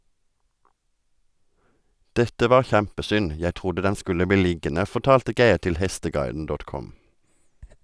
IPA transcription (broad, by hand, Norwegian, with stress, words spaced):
ˈdɛtə ˈʋɑːʁ ˈçæmpəˌsʏn ˈjæɪ ˈtʁʊdə ˈdɛn ˈskʉlə ˈbiː ˈlɪɡənə ˌfɔʁˈtɑːltə ˈɡeɪʁ ˈtɪl ˈhɛstəˌɡɑɪdn̩ ˈdɔt ˈkɔm